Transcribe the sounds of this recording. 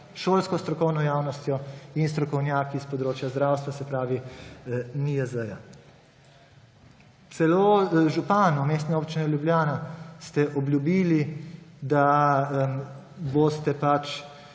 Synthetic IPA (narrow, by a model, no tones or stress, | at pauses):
ʃoːlskɔst̪ɾɔkɔwnɔjaːwnɔst̪jɔinst̪ɾɔkɔwnjaːkispɔd̪ɾoːt͡ʃjazd̪ɾaːwst̪ʋasɛpɾaːʋi | niəzəja | t̪sɛloːʒupaːnumeːst̪nɛoːpt͡ʃinɛljubljaːnast̪ɛʔɔblʲjubiːlid̪a | bost̪ɛpat͡ʃ